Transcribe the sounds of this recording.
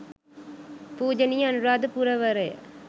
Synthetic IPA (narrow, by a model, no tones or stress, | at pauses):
puːd͡ʒɐnijɐɐnɯɾaːd̪ɯpuɾɐʋɐɾɐ